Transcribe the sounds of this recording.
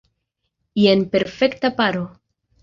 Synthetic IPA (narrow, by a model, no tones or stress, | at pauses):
ienpe̞ɾfe̞ktapaɾo